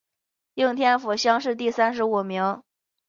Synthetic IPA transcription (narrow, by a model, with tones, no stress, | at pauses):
ji˥˩ŋt̪ʰjɛ˥nfu˨˩ɕjɑ˥ŋʂɻ̩˥˧t̪̬i˥˩sa˥nʂ̬ɻ̩˧˥u˨˩mi˧˥ŋ